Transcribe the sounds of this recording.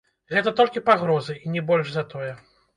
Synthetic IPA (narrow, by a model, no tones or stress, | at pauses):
ɣɛt̪ɐt̪ɔlʲkʲipaɣɾɔzɨinʲɛbɔlʲʐzɐt̪ɔjɛ